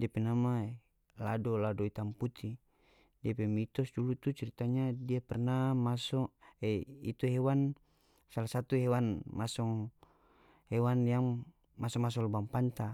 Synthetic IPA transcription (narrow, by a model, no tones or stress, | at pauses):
diapɛnama | ladɔladɔit̪amput̪ʰi | diapɛmit̪ɔsdulut̪ut͡ʃɛɾit̪aɲadiapɛrnamasɔɛḭt̪uɦɛwan | salasat̪uɦɛwanmasɔŋ | hɛwanjaŋ | masɔmas̬ɔlbampant̪a